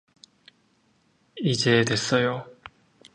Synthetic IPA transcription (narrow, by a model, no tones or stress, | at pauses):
id͡ʑe̞dwe̞s͈ʌjo